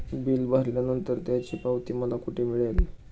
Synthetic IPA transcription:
biːlbəɾljanənt̪əɾt̪jat͡ɕiːpaʋt̪iːməlakuʈʰemiɭel

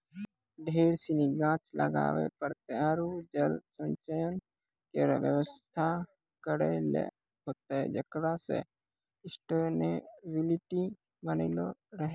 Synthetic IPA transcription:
ɖʱeːɽsiniɡãːt͡ʃlə̰ɡa̰ːʋḛpəɾt̪eəɾud͡ʒəlsə̃ɲt͡ʃəjən | keɾʋjə̰ʋəst̪ʰa | kəɾelḛ | ɦoːt̪eɛ̰d͡ʒəkɽasḛ | ɪsʈonebɪlɪʈi | bəniloɾəɦẽ

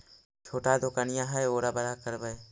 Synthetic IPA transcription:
t͡ʃʰoːʈad̪okaːnɪjãɦɛjoːɾabəɾakəɾbəj

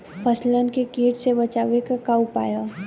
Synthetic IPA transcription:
pʰəslənkekiːʈsebɐt͡ʃaːʋekakaʊpa̰ːjaː

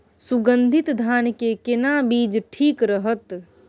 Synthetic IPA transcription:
suɡə̃nd̪ʱɪt̪d̪ʱaːnkekɪnabiːd͡ʒʈʰiːkɾəɦət̪

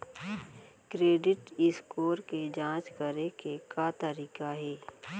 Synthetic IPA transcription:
kɾeːɖɪʈɪskoːɾked͡ʒãːt͡ʃkəɾekekat̪əɾiːkaɦɛː

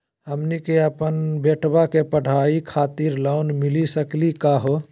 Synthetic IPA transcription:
ɦəmnikeəpənbeːʈʰbakepəɽ̤ʱaːikʰaːt̪iɾlaʊnmɪlisəklikaɦo

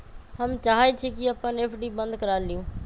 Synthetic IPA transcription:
həmt͡ʃaːɦet͡ʃʰekɪapːãːneːpʰɖiːbə̃nd̪kəɾaːliũː

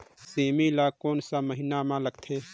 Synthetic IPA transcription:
seːmilakoːnsaməɦɪnamãləɡt̪ʰeː

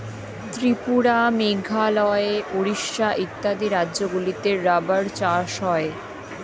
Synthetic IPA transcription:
t̪ɾipuɽameɡʱalɔeeoɾiʃːaʔit̪ːad̪iɾadːʑoɡulit̪eɾːabaɾt͡ɕaʃɦɔe

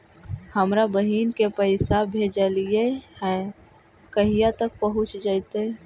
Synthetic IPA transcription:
həmɾabəɦiːnkepəɪsabʱeːd͡ʒaliehɛ̃ | kəɦijat̪ək̚pəɦʊt͡ʃd͡ʒaɪt̪e

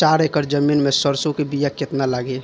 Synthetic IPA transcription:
t͡ʃaɾekəɾd͡ʒəminmesəɾsukebijaket̪nalaɡe

